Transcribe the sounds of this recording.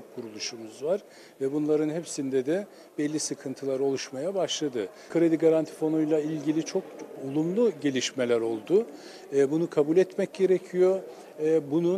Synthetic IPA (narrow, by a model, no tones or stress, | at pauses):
kʰuɾulˠuʃumuzvaɾ̥ | vɛbunlˠaɾɯnhɛpsind̪ɛd̪ɛ | bɛlʲːisɯkʰɯnt̪ʰɯlˠaɾo̞lˠuʃmajabaʃlˠad̪ɯ | kʰɾe̞d̪iɡaɾant̪ʰi̥fo̞nujlˠailʲɟilʲit͡ʃʰo̞k̚ulˠumlˠuɟe̞lʲiʃmelʲæɾo̞lˠd̪ʊː | bunukʰabulʲɛt̪mɛc̚ɟe̞ɾecʰijo̞ | bunu